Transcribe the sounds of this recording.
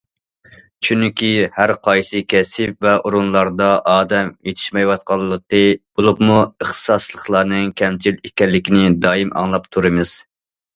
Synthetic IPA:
t͡ʃʰynkʲihæɾqʰɑjsɨkʲʰɛsɪpvɛʔuɾunlˠɑɾd̪ɑʔɑːd̪ɛmjet̪ʰɪ̥ʃmɛjwɑt̪̚qʰɑlˠːəqəb̥olˠupmuəχt̪ʰɨ̥sɑslˠəχlˠɑːnɨŋkʲʰɛmt͡ʃʰilikʲɛlːɪkʲinɪd̪ɑːimʔɑ̰ŋlˠɑpt̪ʰuɾɨmɨz̥

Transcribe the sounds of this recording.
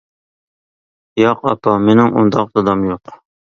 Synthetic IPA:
jɑqɑ̰pʰɑmenɪŋʔṵnd̪ɑqd̪ɑd̪ɑmjoq

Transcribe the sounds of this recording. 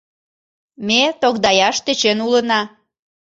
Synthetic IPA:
met̪okd̪ɑjɑʃt̪et͡ɕenulənɑ

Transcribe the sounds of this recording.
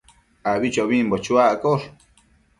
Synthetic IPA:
aβit͡ʃoβimbot͡ʃuaʔkoɾ

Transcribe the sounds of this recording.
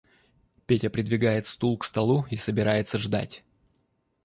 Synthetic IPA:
pʲetʲəpɾʲɪd̪vʲɪɡajɪt̪st̪ulˠkst̪ɐlˠuisəbʲɪɾajɪt̪səʐd̪a̰tʲ

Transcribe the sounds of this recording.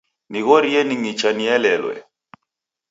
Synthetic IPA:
niɣɔɾiɛniŋit͡ʃaniɛlɛlwɛ̰

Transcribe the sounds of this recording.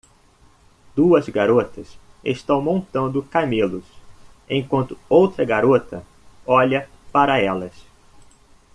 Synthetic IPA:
d̪uɐzɡaɾot̪ɐs | ḛʃt̪ɐ̃w̃mõnt̪ɐ̃nd̪ʊkamelʊs | ẽj̃kwɐ̃nt̪ʊowt̪ɾɐɡaɾot̪ɐ | ɔʎɐ | paɾɐɛlɐs

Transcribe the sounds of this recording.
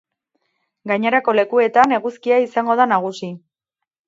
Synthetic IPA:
ɡaɲe̞ɾako̞le̞kue̞t̪ane̞ɣuskiaisaŋɡo̞ðanaɣ̞usi

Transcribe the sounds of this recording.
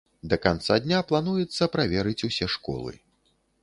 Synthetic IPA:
d̪ɐkant̪sad̪ʲnʲaplˠanujɛt̪sːɐpɾavʲɛɾɨt͡sʲusʲɛʂkɔ̰lˠɨ̰

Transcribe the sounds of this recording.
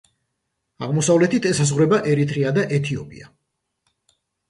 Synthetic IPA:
a̰ʁmɔsavlɛt̪ʰit̪ʰɛsazʁwɾɛbaʔɛɾit̪ʰɾiad̪aʔɛt̪ʰiɔpʼḭa̰

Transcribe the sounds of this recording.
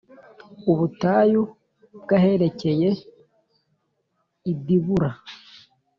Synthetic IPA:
uβutaːju | bɡaɦe̞ɾe̞ce̞je̞ | idiβuɾa

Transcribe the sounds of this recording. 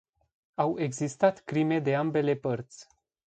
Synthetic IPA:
awe̞ɡzist̪at̪kɾime̞d̪e̞ambe̞le̞pərt̪sʲ

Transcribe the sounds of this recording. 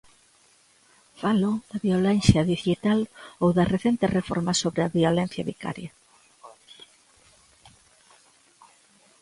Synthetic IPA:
faloðɐβiolɛnθjɐðiθit̪alowðɐreθent̪erefo̰ɾmɐsoβɾeɐβiolen̟θjɐβika̰ɾjɐ

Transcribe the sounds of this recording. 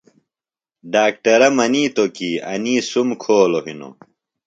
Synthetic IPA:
ɖaːkʈɐɾɐmɐniːt̪okiːɐ̰niːsumkʰoːloɦino̰

